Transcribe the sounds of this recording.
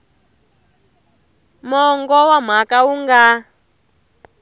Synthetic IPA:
mɔŋɡɔwam̤akauŋɡa

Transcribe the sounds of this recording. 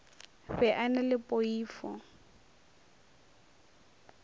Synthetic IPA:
ɸɛʔanɛlɪpʼoiːfɔ̰

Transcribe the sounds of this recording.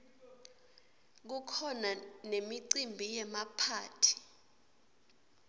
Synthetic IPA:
k̬ukʰɔnanemiǀimbʱijɛmapʰaːtʰi̥

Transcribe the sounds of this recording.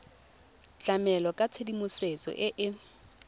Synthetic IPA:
t͡ɬʼamɛlɔkʼat͡sʰedimʊset͡sʼɔ̰ʔɪʔɪ

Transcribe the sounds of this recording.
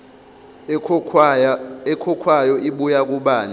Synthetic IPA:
ɛkʰɔkʰwajɔʔiɓujak̬ʼuɓaːni

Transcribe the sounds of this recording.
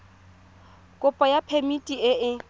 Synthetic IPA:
kʼʊpʼɔjapʰemitʼiɪɪ

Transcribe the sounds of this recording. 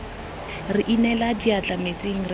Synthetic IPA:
rɪʔinɛladiat͡ɬʼamet͡sʼɪŋ̩rɪ

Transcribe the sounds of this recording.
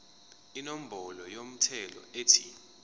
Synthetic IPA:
inom̩bʱɔlɔjom̩tʰɛlɔ̰eːtʰi

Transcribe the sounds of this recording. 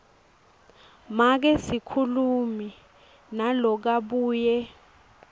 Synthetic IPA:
mak̬ɛsikʰulumi | nalɔk̬aɓuːjɛ

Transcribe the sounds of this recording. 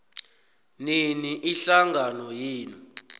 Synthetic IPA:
niniʔiɬaŋɡʱanɔjiːni

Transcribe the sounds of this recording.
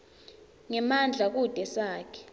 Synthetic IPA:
ŋɛmand͡ɮʱak̬ud̥ʱɛsaːkʰɛ̥

